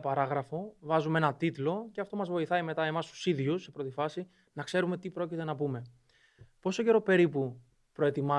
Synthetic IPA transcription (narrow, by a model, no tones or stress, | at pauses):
pɐɾɐɣɾɐfo̞vɐzumee̞nɐt̪it̪lo̞ceɐft̪o̞mɐzvo̞iθɐime̞t̪ɐe̞mɐst̪u̥siðʝusːe̞pɾo̞t̪ifɐsi | nɐkse̞ɾume̞t̪ipɾo̞cit̪e̞nɐpume̞ | po̞soce̞ɾo̞pe̞ɾipu | pɾo̞e̞t̪imɐ